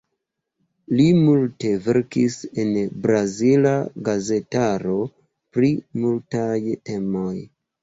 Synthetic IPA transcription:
limulte̞ve̞ɾkisenbɾazilaɡaze̞taɾo̞ | pɾimultajte̞mo̞j

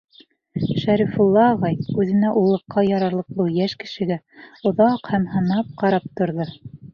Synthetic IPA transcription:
ʃæɾifulˠːɑːʁɑjʉðɘ̆næʔulˠɤ̆qːɑjɑɾɑɾlˠɤ̆q̚lˠuwjæʃkɘ̆ʃɘ̆ɡæ | ŏðɑqhæmhɤ̆nɑp̚qɑɾɑp̚t̪ŏɾðɤ

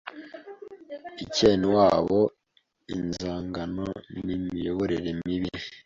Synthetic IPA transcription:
iceːnuwaːβo | inzaːŋɡanonimijoβoɾeɾe̞miβi

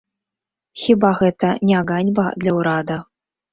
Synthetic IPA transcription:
xʲibaɣɛt̪ɐnʲɛaɣanʲbɐ̰d̪lʲɐwɾad̪ɐ

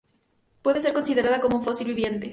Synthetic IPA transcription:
pwe̞ðese̞ɾko̞nsiðe̞ɾaðako̞mounfosilβiβje̞nt̪e

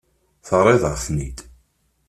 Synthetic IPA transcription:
θərˤeðəʁfnid̪

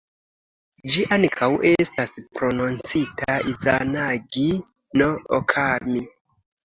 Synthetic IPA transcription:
d͡ʒiʔankʰawʔe̞staspɾo̞nont͡sitʰaizanaɡi | no̞o̰kʰami

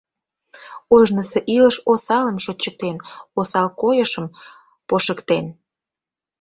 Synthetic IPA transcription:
oʒnəseʔiləʃosɑləmʃot͡ɕək̚t̪enosɑlkojəʃəm | poʃəkt̪en

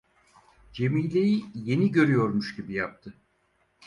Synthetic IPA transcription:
d͡ʒe̞miːlʲejije̞niɟø̞ɾyjo̞ɾmuʃɟibijap̚t̪ʰɯ

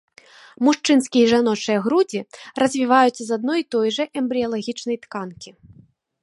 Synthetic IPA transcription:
muʂt͡ʂɨnskʲijɐiʐanɔt͡ʂɨjɐɣɾud͡zʲirɐzʲvʲivajut̪sːɐzad̪̚nɔjit̪ɔjʐɐʔɛmbɾʲiɐlˠaɣʲit͡ʂnɐjt̪kankʲi

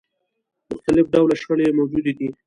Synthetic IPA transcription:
mʊxt̪alɪfɖawlaʃxəɽemawd͡ʒud̪ed̪i

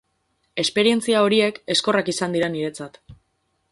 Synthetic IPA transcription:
e̞spe̞ɾie̞nt͡siao̞ɾie̞ke̞sko̞rakisand̪iɾaniɾe̞t͡sat̪

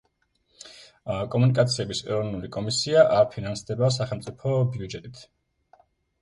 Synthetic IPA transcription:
kʼɔmunikʼat̪sʰiɛbisɛ̰ɾɔvnulikʼɔmisiaʔaɾpʰinansd̪ɛbas̬aχɛlˠmt̪sʼipʰɔbiud͡ʒɛt̪ʼit̪ʰ

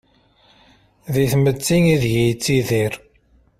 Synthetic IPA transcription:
ðiθmət͡sːiŋiðjijt͡sːiðiɾ

